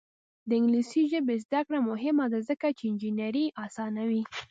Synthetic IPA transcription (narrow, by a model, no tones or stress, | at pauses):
d̪əɪŋɡlisiʒəbezd̪akɽamʊɦɪmad̪azəkat͡ʃeɪnd͡ʒinaɾiʔɑsɑnawi